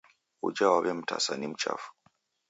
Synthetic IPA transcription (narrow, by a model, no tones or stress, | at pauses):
ud͡ʒawaβɛm̩ta̰sanim̩t͡ʃa̰fu̥